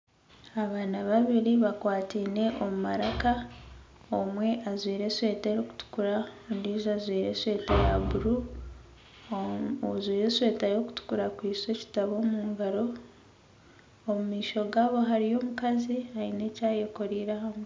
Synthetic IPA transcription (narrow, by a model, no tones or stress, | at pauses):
aβaːnaβaβiɾiβakwaːtiːne̞ʔomumaɾaka | omwe̞ʔazwiːɾe̞swe̞ːteɾoku̥tu̥kuɾaundizazwiːɾe̞swe̞ːtajabuɾu | zwiːɾeswe̞ːtajo̞ku̥tu̥kuɾakwiːswe̞ci̥taβo̞ːmuːŋɡaɾo̞ | mumiːʃo̞ɡaːβo̞ɦaɾijo̞ːmukaziaine̞ːcaːjoko̞ɾiːɾahamu